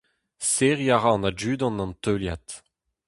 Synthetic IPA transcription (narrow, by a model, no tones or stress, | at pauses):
seʁjaʁãːnad͡ʒyːd̪ɑ̃nɑ̃ntøljat̪